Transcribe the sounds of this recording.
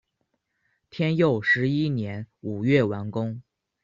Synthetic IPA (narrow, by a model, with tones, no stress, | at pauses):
t̪ʰjɛ˥njo˥˩ʊʂɻ̩˧˥i˥njɛ˧˥nu˨˩ɥɛ˥˩wa˧˥nkʊ˥ŋ